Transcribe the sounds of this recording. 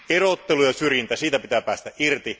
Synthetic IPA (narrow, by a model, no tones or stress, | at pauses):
erot̪ːelujɑsyrjint̪æsiːt̪æpit̪æːpæːst̪æʔirt̪i